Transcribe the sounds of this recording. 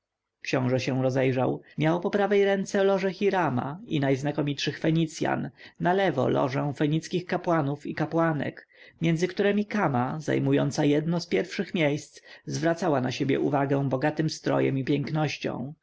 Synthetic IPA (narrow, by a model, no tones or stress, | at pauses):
kɕɔ̃w̃ʐɛɕɛ̃w̃ɾɔzɛjʐa̰wmjawpɔpɾavɛjɾɛnt̪sɛlɔʐɛxʲiɾama̰inajznakɔmʲitʂɘxfɛɲit̪sʲja̰nːalɛvɔ̰lɔ̰ʐɛ̃w̃fɛɲit̪skʲixkapwanufikapwanɛ̰k | mʲjɛndzɘkt̪uɾɛmʲikamaza̰jmujɔnt̪sajɛd̪nɔspʲjɛɾfʂɘxmʲjejst̪szvɾat̪sawanaɕebʲjɛ̰ʔuvaɡɛ̃w̃bɔɡat̪ɘmst̪ɾɔ̰jɛ̰mipʲjɛŋknɔɕt͡ɕɔ̰̃w̃